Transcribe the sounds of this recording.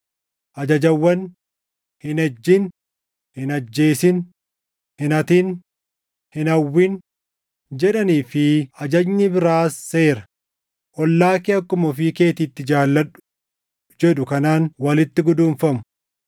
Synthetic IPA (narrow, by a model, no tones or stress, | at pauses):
ʔɐd͡ʒɐd͡ʒɐwːɐn | hɪnɐd͡ʒːɪn | hɪnɐd͡ʒːe̞ːsɪn | hɪnɐt̪in | hɪnɐwːɪn | d͡ʒɛᶑɐniːfɪɐd͡ʒɐɲːɪbɪɾaːsːe̞ːɾɐ̥ | ʔɔlːaːkɪɐkːʊmɔfiːke̞ːt̪ɪt̪ːɪd͡ʒaːlːɐᶑʊ̥ | d͡ʒɛᶑʊkɐnaːnwɐlɪt̪ːɪɡʊd̪uːnfɐmʊ̥